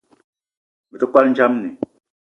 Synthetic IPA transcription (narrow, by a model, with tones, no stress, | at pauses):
mi˨to˦kwa˦lɲ˦d͡ʒa˦mni˨